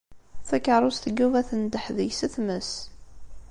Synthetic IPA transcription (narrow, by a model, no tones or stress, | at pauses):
fækːəɾˤʊst̪əɡːuvæθənd̪əħðəjsəθməs